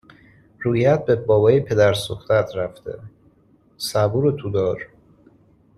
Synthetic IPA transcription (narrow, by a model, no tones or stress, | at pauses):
ɾuːjæt̪̚bebɒːbɒːjepʰe̞d̪æɾsoxt̪æt̪ʰɾæft̪ḛ | sæbuːɾot̪ʰud̪ɒːɾ